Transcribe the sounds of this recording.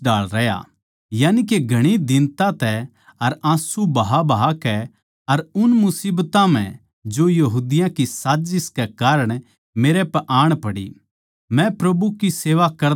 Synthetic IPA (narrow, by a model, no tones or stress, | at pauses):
daːɭɾɛja̰ | jaːnik̬eɡʱɐɽ̃id̪ɪ̃nt̪ãt̪ɛ | ɐɾãːsubɐɦabɐɦakɛ | ɐɾʊnmʊsiːbt̪ãm̤ɛ̃ | d͡ʒojɐɦuːd̪ɪjãkisaːd͡ʒɪskɛkaːɾəɽ̃ | meːɾepɛʔaːɽ̃pɐɽḭ | mɛ̃pɾɐbukiseːʋakɐɾ